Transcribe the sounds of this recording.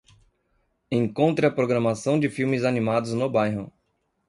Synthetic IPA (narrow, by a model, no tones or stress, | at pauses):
ẽŋkõnt̪ɾɪɐpɾoɡɾɐmasɐ̃w̃d͡ʒɪfiwmɪzanimad̪ʊznobajɦɐ̃w̃